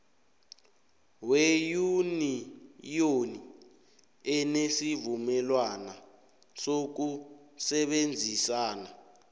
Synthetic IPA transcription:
wejunijoni | ɛnesivumɛlwana | sok̬usɛɓend͡zʱisaːna

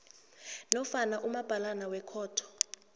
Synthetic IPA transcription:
nɔfanaʔumab̥ʱalanawɛkʰɔːtʰɔ̥

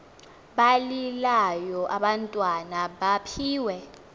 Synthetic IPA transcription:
ɓalilajɔʔaɓantʼwanaɓapʰiːwɛ

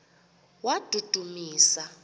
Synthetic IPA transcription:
wad̥ʱud̥ʱumiːsa

